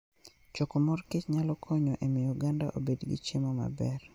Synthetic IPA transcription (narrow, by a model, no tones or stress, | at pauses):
t͡ʃokomɔrket͡ʃɲalɔkʰɔɲɔʔemɪjoɡanda̰ʔo̰bedɡɪ̰t͡ʃemɔma̰bɛr